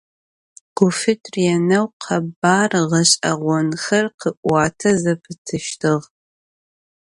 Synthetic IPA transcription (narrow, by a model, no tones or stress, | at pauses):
ɡ̥ʊfɨtʰʼrjɛnɐwqʰɐbaːrʁɐɕʼɐʁʷɔnxɐrqʰəʔʷɑːtʰɐzɐpʰɨtʰɨʃtʰɨʁ